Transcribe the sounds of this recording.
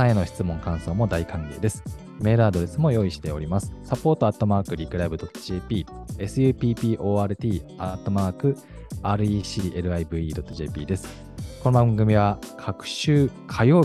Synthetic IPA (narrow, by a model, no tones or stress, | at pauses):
aeno̞çi̥t͡sɨmõ̞ŋkãɰ̃so̞ːmo̞d̪aikãŋɡʲe̞̰ːd̪e̞sɨ̥ | me̞ːɾɯ̟ad̪o̞ɾe̞sɨmo̞jo̞ːiɕi̥t̪e̞o̞̰ɾʲimasɨ̥sapo̞ːt̪o̞at̪ːo̞maːkɯ̟ɾʲikɯ̟ɾaibɯ̟d̪o̞t̪ːo̥ʑeːpʲiːe̞sɨjɯ̟ːpʲiːpʲiːʔo̞ːaːɾɯ̟t̪ʲiːat̪ːo̞maːkɯ̟ | aːɾɯ̟iːɕiʔe̞ɾɯ̟aibɯ̟ːiːd̪o̞t̪ːo̞ʑe̞ːpʲiːd̪e̞sɨ̥ | kono̞bãŋɡɯ̟mʲiβakʰakɯ̟̥ɕɨːkʰajoː